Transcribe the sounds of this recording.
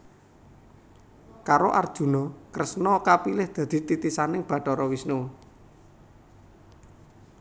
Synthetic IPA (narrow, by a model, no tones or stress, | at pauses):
kaɾoʔard̥ʒ̥ṳnɔkɾəsnɔkapilɪhd̪̥ä̤d̪̥i̤t̪it̪isanɪŋb̥ä̤ʈɔɾɔwisnu